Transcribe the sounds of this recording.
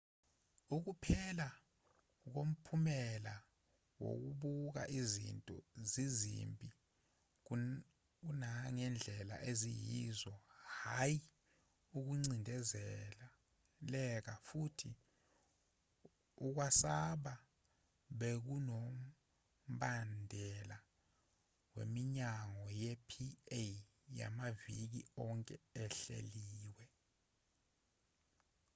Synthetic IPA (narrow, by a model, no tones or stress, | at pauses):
uk̬upʰɛla | k̬om̩pʰumɛla | wo̰k̬uɓuk̬a̰ʔizḭntʼɔ̰zizḭmpʼi | k̬unaŋɛnd͡ɮʱɛla̰ʔezijizɔhaji | uk̬uŋ͡ǀindʱɛzɛla | lɛk̬afutʰi | uk̬wasaɓa | ɓek̬unom̩ | ɓandʱɛla | wḛmiɲaŋɔjɛpʰie | ja̰mavik̬iɔŋkʼɛɛɬḛliːwɛ